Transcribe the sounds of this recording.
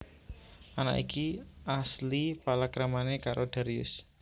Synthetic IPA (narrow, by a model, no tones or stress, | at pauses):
ʔana̰ʔḭkiaslipalakɾamanekaɾʔoɖ̥a̤ɾiʊ̰s